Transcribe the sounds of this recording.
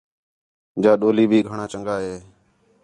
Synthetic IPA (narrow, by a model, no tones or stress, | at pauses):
d͡ʒaːɗoːliːbʱiːɡʱəɳãːt͡ʃəŋɡaːɦeː